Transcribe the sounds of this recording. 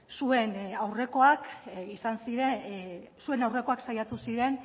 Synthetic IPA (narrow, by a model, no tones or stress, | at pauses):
sue̞nawre̞ko̞akisansiɾesue̞nawre̞ko̞aksajat̪usiɾe̞n